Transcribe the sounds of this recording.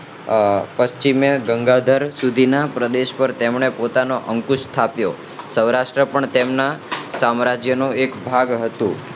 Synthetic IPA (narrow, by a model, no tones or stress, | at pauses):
pəst͡ʃimjəɡəŋɡad̪ʱəɾsud̪ʱinapɾəd̪eʃpəɾt̪emɳepot̪anoʔəŋkuʃt̪ʰapjo | səwɾaʃʈɾəpəɳt̪emnasamɾad͡ʒjənũekbʱaɡɦət̪ũ